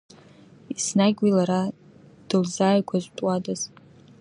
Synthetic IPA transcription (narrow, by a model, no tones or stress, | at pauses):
isnaɡʲwilaɾa | d̥ɨlzaːjkʷʰazʷtʼwadaz̥